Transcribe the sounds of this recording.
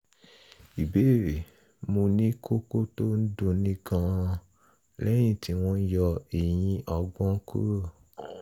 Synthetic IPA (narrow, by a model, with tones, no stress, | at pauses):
i˨be˦˨ɾe˨ | mũ˧nĩ˦ko˦ko˦to˦n̩˦dõ˧nĩ˦ɡã˦˧ | lɛ˦j̃ĩ˦˨tʰi˧w̃ɔ̃˧˦jɔ˧e˨j̃ĩ˧ʔɔ˧ɡɔ̃˦kṵ˦ɾo˦˨